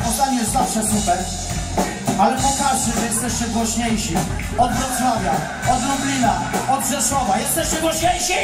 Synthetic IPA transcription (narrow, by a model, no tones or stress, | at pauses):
ɔt̪aɲijɛst̪zafʂɛsupɛɾ | alɛpɔkaʂdɛʐɛjɛst̪jɛʂtɛɡwɔɕɲejɕi | ɔd̪ʐɛsɾɔvʲja | ɔd̪ɾɔblʲinaɔd̪ʐɛʂwɔvajɛst̪jɛʂtɛɡwɔɕɲejɕi